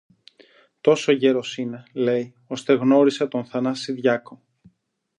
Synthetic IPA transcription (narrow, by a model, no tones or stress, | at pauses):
t̪o̞so̞ʝe̞ɾo̞sine̞le̞j | o̞st̪e̞ɣno̞ɾisɐt̪o̞nθɐnɐsiðʝɐko̞